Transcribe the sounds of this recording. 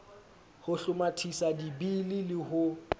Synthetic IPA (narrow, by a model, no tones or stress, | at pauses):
hʊɬʊmatʰisadibililɪhʊ